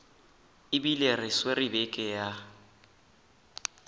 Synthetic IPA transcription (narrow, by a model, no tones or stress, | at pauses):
ɪbilerɪsweribɛkʼɛja